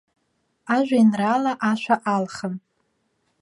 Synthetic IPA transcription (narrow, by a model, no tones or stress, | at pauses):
aʒᶣʷainralaʔaʃʷaʔalχəm